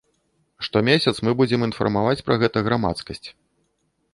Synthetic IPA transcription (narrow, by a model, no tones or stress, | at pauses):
ʂt̪ɔmʲesʲɐt̪smɨbud͡zʲɛminfɐ̰rmavat͡sʲpɾɐɣɛt̪ɐɣɾama̰t̪skɐsʲt͡sʲ